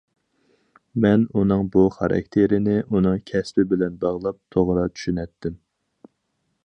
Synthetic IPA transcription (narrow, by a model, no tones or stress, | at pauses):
mɛnunɨŋbuχɑ̰ɾɑ̰k̚ʲt̪ʰeɾɪnɪʔunɨŋkʲʰɛspɪbɪlɛnbɑʁlˠɑp̚t̪ʰoʁɾɑt͡ʃʰy̥ʃynɛt̪ʰːɪm